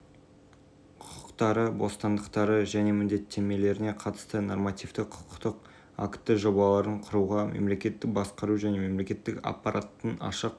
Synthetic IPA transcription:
qʰʊqʰəqt̪ɑɾəbo̞st̪ɑnd̪əqt̪ɑɾəʒæne̞mɪnd̪e̞t̪ʰːe̞me̞le̞ɾɪne̞qʰɑt̪ə̥st̪əno̰rmɑt̪ijft̪əqʰʊ̥qqt̪əq | a̰kt̪ːɪʒo̞bɑlˠɑɾəɴqʰʊɾuʁɑmḛmle̞kʲe̞t̪ːɪk̚bɑsqɑɾuʒæne̞me̞mle̞kʲe̞t̪ːɪkɑ̰pːɑɾat̪ːənɑ̰ʃəq

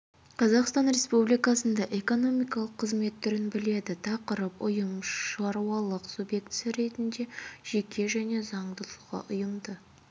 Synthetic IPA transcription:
qʰɑzɑqst̪ɑnɾe̞spublijkɑsənd̪ɑʔe̞ko̞no̞mijkɑlˠəqʰːəzme̞t̪ʰːʏɾɪnbɪle̞d̪ɪt̪ʰɑqəɾəpʊjəmɑɾuwɑlˠəqsubje̞kt̪sjɑɾe̞t̪ɪnd̪e̞ʒ̥e̞kʲe̞ʒæne̞zɑɴd̪əlˠuʁɑ̰ʔʊjəmd̪ə

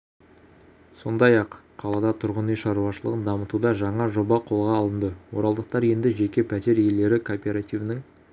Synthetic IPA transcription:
so̞nd̪ɑjɑq | qʰːɑlˠɑd̪ɑt̪ʰʊɾʁənijʃɑɾuɑʃəlˠə̰ʁənd̪ɑmət̪ud̪ɑʒɑɴɑʒo̞bɑqʰo̞lˠʁɑːlˠənd̪əwo̞ɾɑlˠd̪əq̚t̪ɑɾje̞nd̪ɪʒe̞kʲe̞pʰæt̪e̞ɾje̞ld̪e̞ɾɪkʰopʲe̞ɾat̪ivnɪŋ

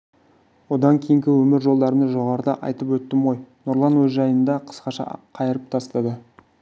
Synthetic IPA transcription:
wo̞d̪ɑŋkʲʰejɪŋkʲɪwɵmɪɾʒo̞lˠd̪ɑɾənɑʒo̞ʁɑɾəd̪ɑʔɑ̰jt̪əpwɵt̪ːɪmo̞jnoɾlˠɑnwɵzʒɑjənd̪ɑqʰə̥sqɑʃɑ̰qʰɑjəɾəp̚t̪ʰɑst̪ɑd̪ə

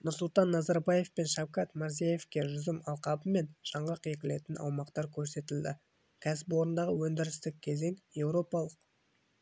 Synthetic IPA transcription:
nʊɾsʊlˠt̪ɑnːɑzɑɾbɑje̞fpe̞nʃɑwkɑt̪mʊɾzijaje̞fkʲe̞ʒʏzɪmɑlˠqɑbəme̞nʃɑɴʁəqje̞kʲɪle̞t̪ɪnʔɑ̰wmɑqt̪ɑɾkʲʰɵɾse̞t̪ɪld̪ɪ̰ | kʲʰæsɪpwo̞ɾənd̪ɑʁəwɵnd̪ɪɾɪst̪ɪk̚ʲkʲʰːe̞ze̞ŋje̞wɾo̞pɑlˠəq

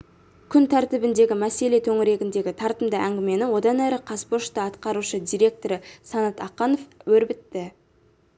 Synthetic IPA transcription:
kʲʰʏnt̪ʰæɾt̪ɪbɪnd̪e̞ɡʲɪmæse̞le̞t̪ʰɵŋɪɾe̞ɡʲɪnd̪e̞ɡʲɪt̪ʰɑɾt̪əmd̪əʔæŋɡʲɪme̞nɪwo̞d̪ɑnæɾɪqʰɑspoʃt̪əɑt̪qɑɾuʃəd̪ʲijɾʲe̞k̚t̪o̞ɾəsɑnɑt̪ɑqːɑno̞fwɵɾbɪt̪ːɪ

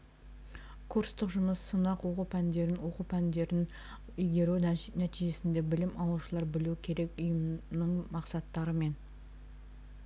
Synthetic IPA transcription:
kʰuɾst̪əqʒʊməsːənɑqwo̞qupʰænd̪e̞ɾɪnwo̞qupʰænd̪e̞ɾɪn | ʏjɡʲe̞ɾunænæt̪iʒe̞sɪnd̪e̞bɪlɪmʔɑlˠuʃəlˠɑɾbɪluɪkʲʰe̞ɾe̞kʊjəmnəɴmɑqsɑt̪ːɑɾəme̞n

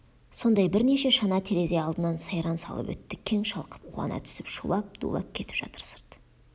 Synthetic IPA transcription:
so̞nd̪ɑjbɪɾne̞ʃe̞ʃɑnɑt̪ʰeɾe̞zeɑlˠd̪ənɑnsɑjɾɑnsɑ̰lˠə̰pwɵ̰t̪ːɪkʲʰe̞ŋʃɑlˠqə̥p̚qʰṵɑ̰nɑ̰t̪ʰʏ̥sɪpʃulˠɑp̚d̪̥ṵlˠɑ̰p̚kʲʰe̞t̪ɪ̥pʒɑ̰t̪ə̥ɾsə̥ɾt̪

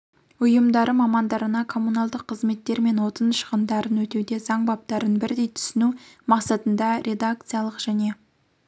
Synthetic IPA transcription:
ʊjəmd̪ɑɾəmɑmɑnd̪ɑɾənɑkʰo̞munɑlˠd̪əqʰːəzme̞t̪ːe̞ɾme̞nwo̞t̪ənʃə̥ʁənd̪ɑɾənwɵt̪ewd̪e̞zɑŋbɑp̚t̪ɑɾənbɪɾd̪e̞jt̪ʰʏ̥sɪnumɑqsɑt̪ənd̪ɑɾʲʔe̞d̪ak̚t̪sɨjalˠəqʒ̥æne̞

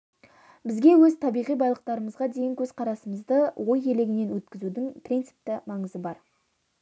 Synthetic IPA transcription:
bɪzɡʲe̞wɵzt̪ʰɑbijʁijbɑjlˠəqt̪ɑɾəməzʁɑd̪e̞jɪŋkʲʰɵzqʰɑɾɑsəməzd̪əwo̞je̞leɡʲɪne̞nwɵt̪kʲɪzud̪ɪŋpʰrʲint̪sɨ̥p̚t̪ɪmɑɴəzəbɑɾ

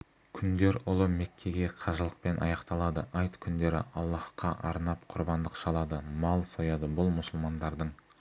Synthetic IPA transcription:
kʲʰʏnd̪e̞ɾʊlˠəme̞kʲʰːe̞ɡʲe̞qʰɑʒəlˠəq̚pe̞nʔɑ̰jɑqt̪ɑlˠɑd̪əʔɑjt̪kʲʰʏnd̪e̞ɾɪ̰ʔɑlˠːɑhqɑ̰ʔɑɾnɑpqʰʊɾbɑnd̪əqʃɑlˠɑd̪əmɑlˠsojɑd̪əbʊlˠmʊsəlˠmɑnd̪ɑɾd̪əɴ

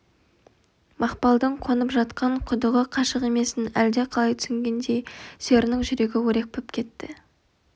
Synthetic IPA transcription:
mɑqpɑlˠd̪əɴqʰo̞nəpʒɑt̪qʰɑɴqʰʊd̪əʁəqʰɑʃəqe̞me̞sɪnæld̪e̞qʰɑlˠɑjt̪ʰʏ̥sɪŋɡʲe̞nd̪e̞jseɾnɪŋʒʏɾe̞ɡʲɪwɵɾe̞k̚pʰɪpkʲʰe̞t̪ːɪ

